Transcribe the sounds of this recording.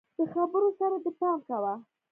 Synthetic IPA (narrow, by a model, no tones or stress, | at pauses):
d̪̥əxabəɾosaɾad̪əpɑmkawa